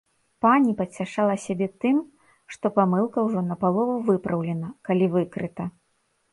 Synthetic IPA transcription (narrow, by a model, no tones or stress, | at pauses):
panʲipɐt͡sʲaʂalˠɐsʲabʲɛt̪ɨm | ʂt̪ɔpamɨlˠkɐwʐɔnɐpalˠɔvuvɨpɾɐwlʲɛnɐkalʲivɨkɾɨt̪ɐ